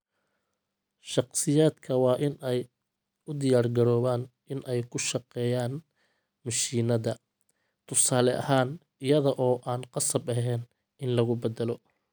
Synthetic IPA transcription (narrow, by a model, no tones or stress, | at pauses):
ʃɑqsɪjaːd̪kʰɐwɑːʔɪnɛj | ʊd̪ɪjaːrɡɐɾɔːβaːn | ɪnʔɛjkʰʊʃɑqɛːjaːn | mɐʃiːnɐðɐ | t̪ʰʊsaːlɛʔɐ̰ɦaːn | ɪjɐðɐʔɔːʔaːnqɑsɐbɐɦɛːn | ɪnlɐɣʊbɐd̪ɐlɔ